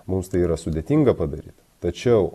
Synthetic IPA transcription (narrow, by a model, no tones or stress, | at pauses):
mʊmst̪ɐɪiːɾɐsʊd̪ʲeːt̪ʲiːŋɡɐpɐd̪ɐɾʲiːt̪t̪ɐt͡ʃʲɛʊ